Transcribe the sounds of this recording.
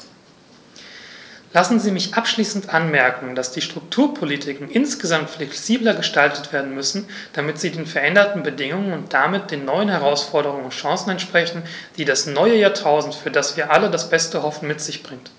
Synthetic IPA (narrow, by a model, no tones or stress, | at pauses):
lasn̩ziːmɪçʔapʃliːsn̩tʔanmɛɐkŋ̩d̥asd̥iːʃtʁ̥ʊktʰuːɐpʰolitʰɪkŋ̩ʔɪnsɡ̥əzamtflɛksiːblɐɡəʃtaltətv̥eːɐdn̩mʏsn̩ | d̥amɪtz̥iːdeːnfɛɐʔɛndɐtn̩bədɪŋʊŋənʊnt̚d̥amɪt̚d̥eːnːɔʏənhɛʁ̞aʊsfɔɐɾəʁ̞ʊŋənʃɑ̃ːsn̩ɛntʃpʁ̥ɛçn̩d̥iːdasnɔʏəjaːɐtʰaʊzn̩tfyːɐdasv̥iːɐʔalədasb̥ɛstəhɔfn̩mɪtz̥ɪçb̥ʁɪŋt